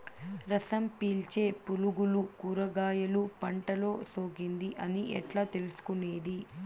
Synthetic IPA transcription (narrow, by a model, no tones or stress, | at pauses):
ɾɐsɐmpiːlt͡ʃe̞ːpuluɡulukuːɾɐɡaːjɐlupɐɳʈɐlo̞ːso̞ːɡind̪iʔɐniʔɛ̰ʈlaːt̪e̞lusu̥kune̞ːd̪i